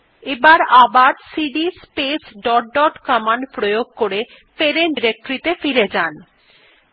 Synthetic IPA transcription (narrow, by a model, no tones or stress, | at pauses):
ebaɾabaɾsiɖispesɖɔʈ̚ɖɔʈkɔmanpɾojoɡ̚koɾe | feɾenɖiɾek̚ʈoɾit̪efiɾed͡ʑan